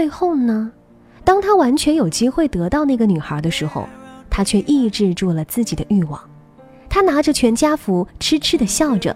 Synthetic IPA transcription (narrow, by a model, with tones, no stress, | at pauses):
e˥˧ɪxo˥˩ʊnə˩ | t̪ɑ˥ŋt̪ʰa˥wa˧˥nt͡ɕʰɥɛ˧˥njo˨˩ʊt͡ɕi˥xwe˥˩ɪt̪ɤ˧˥t̪ɑ˥˧ʊna˥˩ɡə˩ny˨˩xə˞˧˥d̪ə˧ʂɻ̩˧˥xo̰˧ʊt̪ʰa˥t͡ɕʰɥɛ˥˧ʔi˥˧ʈ͡ʂɻ̩˥˧ʈ͡ʂu˥˩lə˩t͡sɹ̩˥˩t͡ɕi˨˩d̪ə˦ʔy˥˩wɑ̰˨˩˦ŋ | t̪ʰa˥na˧˥ʈ͡ʂə˥˧t͡ɕʰɥɛ˧˥nt͡ɕja˥fu˧˥ʈ͡ʂʰɻ̩˥ʈ͡ʂʰɻ̩˥d̪ə˨ɕjɑ˥˩ʊʈ͡ʂə̰˩